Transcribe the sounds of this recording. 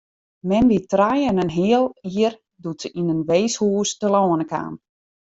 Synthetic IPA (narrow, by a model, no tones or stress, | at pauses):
mɛnʋitrajənənɦiəlˠiər | dutsəʔinənʋeːshuːstəlɔːnəka̰ːm